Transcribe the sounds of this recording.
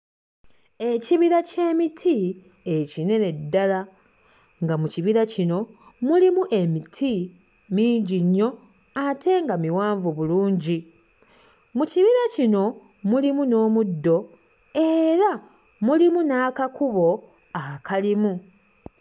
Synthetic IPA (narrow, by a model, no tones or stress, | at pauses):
e̞ciβiɾace̞ːmitʰi | ecine̞ne̞dːala | ŋɡamuciβiɾacino̞ | mulimuʔe̞mitʰi | miːɲɟiɲːo̞ | atʰe̞ŋɡamiwaːɱvuβuluːɲɟi | muciβiɾacino̞ | mulimuno̞ːmudːo̞ | e̞ɾa | mulimunaːkakuβo̞ | akʰalimu